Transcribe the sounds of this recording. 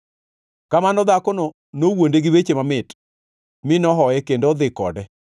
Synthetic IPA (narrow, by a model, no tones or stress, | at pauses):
kamanɔd̪akono | nowondeɡɪwet͡ʃemamɪt | mɪnɔɦɔɛkendod̪ɪkɔ̰dɛ